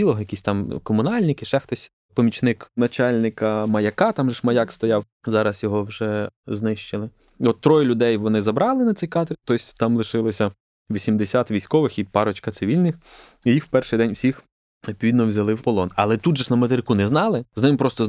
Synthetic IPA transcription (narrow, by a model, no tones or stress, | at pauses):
ilˠɔɦjɐkʲisʲt̪ɑmkɔmʊnɑlʲnʲɪkɪʃɛxt̪ɔsʲ | pɔmʲit͡ʃnɪknɐt͡ʃɑlʲnɪkɐmɐjɐkɑt̪ɑmʒɛʃmɐjɑkst̪ɔjɑw | zɑɾɐsjɔɦɔwʒɛznɪʃt͡ʃɪlˠɪ | ɔt̪ːɾɔjʊlʲʊd̪ɛjʋɔnɪzɐbɾɑlˠɪnɐt̪sɛjkɑt̪rʲt̪ɔjsʲt̪ɑmlˠɪʃɪlˠɔsʲɐ | ʋʲisʲimd̪esʲat̪ʋʲijsʲkɔʋɪxipɑɾɔt͡ʃkɐtsɪʋʲilʲnɪxijixwpɛrʃɪjd̪ɛnʲwsʲix | ɔpʲɔʋʲid̪nɔwzʲɐlˠɪwpɔlˠɔnɐ̰lˠɛt̪ud̪ʒɛnɐmɐt̪eɾɪkunɛznɑlˠɪznɪmpɾɔst̪ɔ